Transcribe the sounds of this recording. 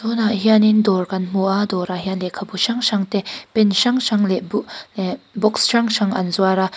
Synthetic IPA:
t̪ɔnaɦianindɔrkɐnm̥uʔad̪ɔɾaɦianlɛʔkʰabuʃaŋʃaŋt̪ɛpɛnʃaŋʃaŋlɛblbɔksʃaŋʃaŋɐnzuaɾa

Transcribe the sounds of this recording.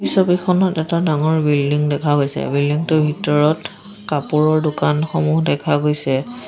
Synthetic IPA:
bisobikʰɔnɔtɛtadaŋɔɹbildiŋdɛkʰaɡojsɛ̰bildiŋtʊbʱitɔɹɔt | kapuɹɔɹdʊkanxɔmuɦdɛkʰaɡojsɛ

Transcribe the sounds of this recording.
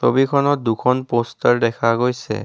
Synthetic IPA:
so̰bikʰɔnɔt̚dukʰɔnpostaɹdɛkʰaɡojsɛ̰

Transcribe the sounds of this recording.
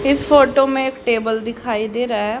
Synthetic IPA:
ɪspʰoːʈoːmẽɪkʈeːbəld̪ɪkʰaːiːd̪eːɾaːɛː

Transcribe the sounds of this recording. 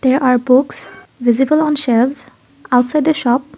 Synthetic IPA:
d̪̥eɹʔaːɹbʊksʋɪzibəlɔ̃nʃɛlvz | aʊʈsaɪɖd̪əʃɔp̚

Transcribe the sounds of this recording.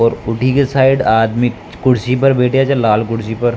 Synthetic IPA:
ɔːɾʊʈʰikesaːɪɖaːd̪mi | kʊɽsipɐɾbeːʈʰeat͡ʃalaːlkʊɽsipɐɾ

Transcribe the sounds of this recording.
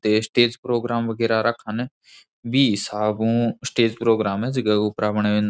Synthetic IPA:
t̪eːsʈeːd͡ʒpɾoːɡɾaːmʋəɡɛːɾaːɾəkʰːənɛ | biːsaːɡũːsʈeːd͡ʒpɾoːɡɾaːmɛd͡ʒɪɡaɡuːpɾaːʋɳeːʋẽnd̪

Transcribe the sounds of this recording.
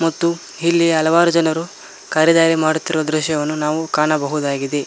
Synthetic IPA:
mɐt̪ːu | ɦilːiɦɐlɐʋaːɾud͡ʒɐnɐɾu | kaːɾɐd̪aːɾimaːɽut̪ːiɾuʋɐd̪ɾuʃjɐʋɐnːunaːʋukaːɳɐbɐɦud̪aːɡid̪e̞

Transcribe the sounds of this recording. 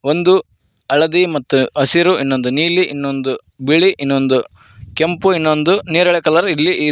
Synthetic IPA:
ond̪u | ɐɭɐd̪imɐt̪ːuɐsiɾuʔinːo̞nd̪uniːliʔinːond̪u | biɭiʔinːo̞nd̪u | kempuinːond̪uniːɾɐɭɛkɐlɐɾilːiʔiː

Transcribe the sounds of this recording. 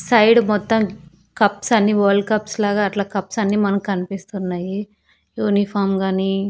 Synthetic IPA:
sɐjɽmɔt̪ːɐm | kɐpsɐnːiʋoːlkɐpslaːɡaːʈlaːkɐpsɐnːimɐnɐmkɐnipist̪unːaːji | juːnipʰaːmɡaːni

